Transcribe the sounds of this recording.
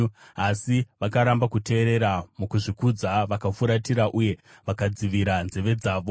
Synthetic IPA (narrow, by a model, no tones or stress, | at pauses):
asiʋakaɾambakute̞ːɾe̞ɾamukuʐikud͡zaʋakafuɾatiɾaʔuje̞ | ʋakad͡ziʋiɾanze̞ʋe̞d͡zaːʋo̞